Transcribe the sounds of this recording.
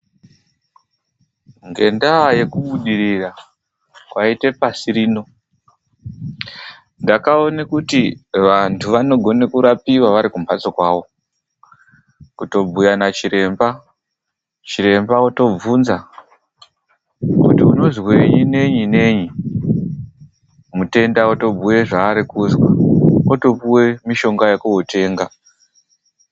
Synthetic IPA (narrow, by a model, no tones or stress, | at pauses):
ŋɡe̞ndaːje̞kuɓuɗirira | kwaite̞pasiɾiːno̞ | ndakao̞nekutiʋantʰuʋano̞ɡʱo̞nekuɾapiwaʋaɾikumpat͡sokwaʋo̞ | kuto̞b͡vujanat͡ʃiɾe̞mba | t͡ʃiɾe̞mbaoto̞b͡vunza | kṵtiuno̞zweɲine̞ɲine̞ɲi | mute̞ndaoto̞bʱuje̞ʐaːɾikuzwaoto̞puwe̞miʃo̞ŋɡajekuote̞ːŋɡa